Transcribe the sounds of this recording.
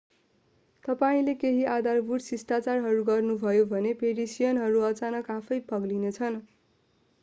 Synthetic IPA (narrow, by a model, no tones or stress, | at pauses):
t̪ʌpaĩlekeɦiad̪ʱarbuɽsisʈat͡sarɦʌɾuɡʌrnubʱʌjobʱʌnepeɾisijʌnɦʌɾuʌt͡sanʌkapʰʌjpʌɡlinet͡sʰʌn